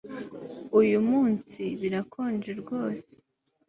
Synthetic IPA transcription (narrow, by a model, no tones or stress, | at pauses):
ujumuːnsiβiɾakʰoːnd͡ʒeɾɡo̞ːse̥